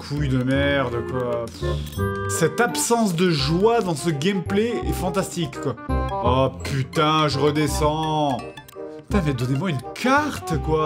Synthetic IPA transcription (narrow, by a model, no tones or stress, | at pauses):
kʰujd̪əmɛʁd̪əkwa | sɛt̪apsɑ̃s̬d̪əʒwad̪ɑ̃səɡʲɛmpleɛfɑ̃t̪ast̪ikːwaapʰyt̪ɛ̃ʒəʁəd̪esɑ̃ | t̪ɛ̃mɛd̪ɔnemwaynkʰaʁt̪kwa